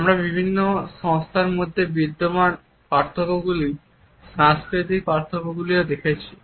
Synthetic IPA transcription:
amɾabibʱinːoʃɔŋst̪ʰaɾmod̪ʱːebid̪ːoman | paɾt̪ʰokoɡuli | ʃãŋskɾit̪ik̚paɾt̪ʰokoɡuliod̪ekʰet͡ɕʰi

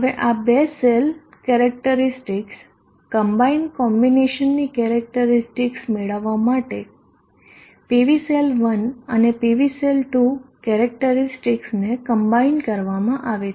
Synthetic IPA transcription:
ɦəʋeʔabesel | kɛɾək̚ʈəɾisʈiks | kəmbainkɔmbineʃənːikɛɾək̚ʈəɾisʈiksmeɭəʋːamaʈe | piʋiselʋənənepiʋiselʈukɛɾək̚ʈəɾisʈiksnekəmbainkəɾʋamãʔaʋe

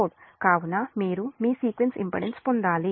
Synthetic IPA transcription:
ɖkaːwunɐmiːɾumiːsiːkʋensḭmpɐ̰ɽenspond̪aːli

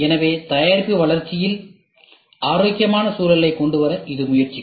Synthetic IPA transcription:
ɛnɐʋeːt̪ɐjaːɾpɯʋɐɭɐɾt͡ʃɪjɪl | aːɾoːkɪjɐmaːnɐsuːlɐlɐɪkːɔɳɖɯʋɐɾɐʔɪðɯmʊjɐɾt͡ʃi

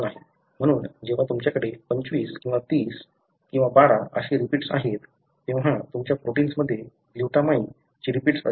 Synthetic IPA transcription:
laɦe | m̤əɽ̃uːnd͡ʑeʋ̤at̪umt͡ɕjakəɽepəɲt͡ɕʋiːskĩw̃ʋat̪iːs | kĩw̃ʋabaɽaʔə̰ɕeɾipiːʈsa̰ɦet̪ː | ẽw̤̃at̪umt͡ɕjapɾoʈiːnsməd̪ʱːje | luʈamai | d͡ʑiɾipiːʈsə̰

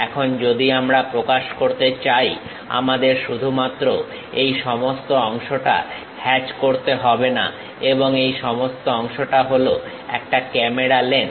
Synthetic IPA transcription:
ɛkʰond͡ʑod̪iamɾapɾokaʃkoɾt̪et͡ɕaj | a̰mad̪eɾʃud̪ʱumat̪ːɾo | ejʃɔmost̪oɔŋʃoʈa̰ | hɛt͡ɕkoɾt̪eɦɔbena̰ | eboŋejʃɔmost̪oɔŋʃoʈaɦolo | ɛ̰k̚ʈakɛmeɾalen

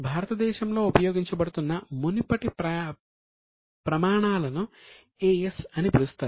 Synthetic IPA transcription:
bʱaːɾɐt̪ɐd̪ɛːʃɐmlo̞ːupɐjo̞ːɡiɲt͡ʃɐbɐɽut̪unːɐmunipɐʈip | pɾɐmaːɳaːlɐnu | eːesɐnipuɾust̪aː

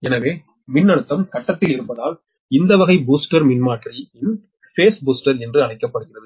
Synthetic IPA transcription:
ɛnɐʋeː | mɪnːɐɽɯt̪ːɐmsɐʈːɐt̪ːɪlɪɾɯpːɐðaːl | ɪnd̪ɐʋɐɣɐɪbuːsʈɐɾmɪnmaːʈriɪn | feːsbuːsʈɐɾɛndrɯɐlɐɪkːɐpːɐɽɯɣɪrɐðɯ

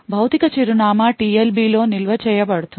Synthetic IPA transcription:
bʱɐwt̪ikɐt͡ʃiɾunaːmaːʈiːelbiːloːnilʋɐt͡ʃɛːjɐbɐɽut̪u

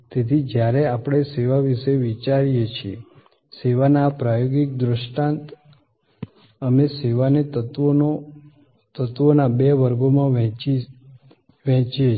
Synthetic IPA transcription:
t̪et̪ʰid͡ʒjaɾeapɽ̃eseʋaʋiʃeʋit͡ʃaɾijet͡ʃʰie | seʋanapɾajoɡik̚d̪ɾəʃʈãnt̪ | əmeseʋanet̪əoo | t̪ət̪ʋonabeʋəɾɡomãʋɛ̃i | ʋɛ̃t͡ʃie

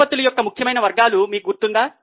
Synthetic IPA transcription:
ɐt̪ːulujɔkːɐmukʰjɐmɐjnɐʋɐɾɡaːlumiːkuɡuɾt̪und̪aː

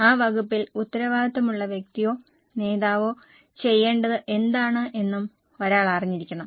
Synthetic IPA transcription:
aːʋɐɡupːilut̪ːɐɾɐʋaːdɐt̪ːɐmuɭːɐʋjek̚t̪ijo̞ː | ne̞ːðaːʋo̞ː | t͡ɕe̞jːe̞ːɳɖɐðɨʔe̞nd̪aːɳɨʔe̞nːum | o̞ɾaːɭariɲːiɾikʲːuɳɐ

